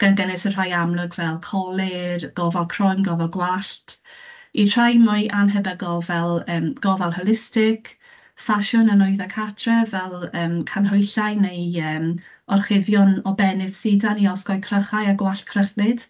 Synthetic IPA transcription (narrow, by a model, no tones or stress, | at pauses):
ɡ̥anɡɛnɪsənr̥ajamlˠʊɡvɛlˠkʰɔlˠɪrɡ̥ɔvalˠkʰrɔjnɡɔvɔlˠɡwaɬtʰ | itʰr̥ajmɔjʔanɦɛbəɡɔlˠvɛlˠəːmɡ̥ɔvalˠhɔlˠɪstɪkʰ | faʃɔnənʊɨðakʰatʰrɛvɛlˠəːmkʰanɦɔjɬajnejəːm | ɔrχɪvjɔnɔbɛnɪð̥sɪdaniɔsɡɔjkʰrəχajaɡwaɬkʰrəχnɪd̥